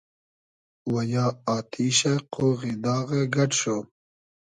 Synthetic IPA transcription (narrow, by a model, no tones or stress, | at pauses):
wɐjɑːaːt̪ʰiːɕeqoːɣid̪ɑːɣeɡɐʈɕo